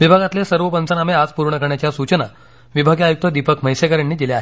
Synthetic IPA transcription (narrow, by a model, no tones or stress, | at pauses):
ʋibʱaɡat̪lesəɾʋəpənt͡sənamead͡zpuɾɳəkəɾɳjat͡ɕjasut͡ɕəna | ʋibʱaɡjajuk̚t̪əd̪ipəkməjsekəɾjanːiːd̪ileaɦe